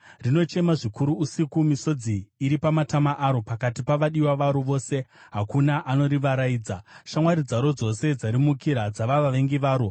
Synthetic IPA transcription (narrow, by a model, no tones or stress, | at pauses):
rino̞t͡ʃe̞maʐikuɾuːsikumiso̞d͡ziːɾipamatamaʔaɾo̞pakatipaʋaɗiwaʋaɾoʋo̞ːse̞ɦakunaʔano̞ɾiʋaɾaiːd͡zaʃamwaɾid͡zaɾo̞d͡zo̞se̞d͡zaɾimukiɾad͡zaʋaʋaʋe̞ŋɡiʋaːɾo